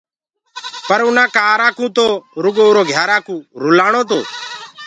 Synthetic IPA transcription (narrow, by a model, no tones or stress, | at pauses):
pəɾʊnãːkaːɾaːkũːt̪oːɾʊɡoːʊɾoːɡʱjaːɾaːkũːɾʊlaːɳ̃oːt̪̬oː